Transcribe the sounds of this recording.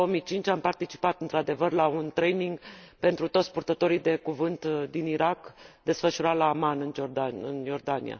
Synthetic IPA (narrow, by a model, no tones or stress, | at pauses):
oomijt͡ʃint͡ʃʲampart̪it͡ʃi̥pat̪ɨnt̪ɾad̪e̞vərlaunt̪ɾe̞jniŋɡpe̞nt̪ɾut̪o̞t̪sʲpurt̪ət̪o̞ɾijd̪e̞kuvɨnt̪d̪iniɾakd̪e̞sfəʃuɾalaːmanɨnd͡ʒord̪aɨnjo̞rd̪anḭa̰